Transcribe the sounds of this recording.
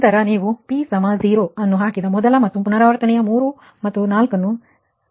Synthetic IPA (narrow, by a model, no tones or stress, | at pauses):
t̪ɐɾɐniːʋupiːsɐmaːziːɾoːɐnːuɦaːkid̪ɐmɔd̪ɐlɐmɐt̪ːupunɐɾaːʋɐɾt̪ɐnɛjɐmuːɾu | mɐt̪ːunaːlkɐnːu